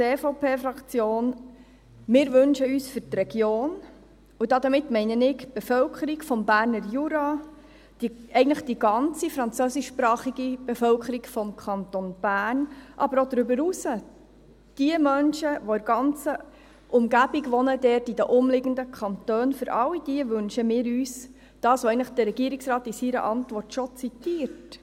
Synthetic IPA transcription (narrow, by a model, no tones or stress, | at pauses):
t͡seːfoʊpʰeːfɾɑkt͡sjoːn | mɪːɾʋɵnʃəyːsfʏtrɛɡ̥joːn | udɑd̪əmɪtmɛɪnənɪɡb̥efœwkʰəɾikfɔmbæːɾnəɾjuɾɑ | d̥iɛɪɡən̩tləχd̥iɡ̥ɑnt͡sifɾɑnt͡søːsɪʃːpɾɑːχiɡib̥efœlkəɾikfɔmkʰχɑnt̪ɔnb̥æːnʔɑbəɾɔd̪ɾʏbəɾusə | d̥iəmœnʃəʋɔɪɾɡ̥ɑnt͡sə | ʔʊmɡæbiɡʋɔnədɛrtidəʔʊmlɪɡəndəkʰɑnt̪øːnfɵɾʔɑlːid̥iəʋɵnʃəmɪːɾyːs | d̥ɑːsɔɛɪn̩ləχd̥̪əɾːɛɡ̥iːəɾiksɾɑːt̪isiɾə̰ʔɑntʋɔrtʃɔt͡sitiːəɾt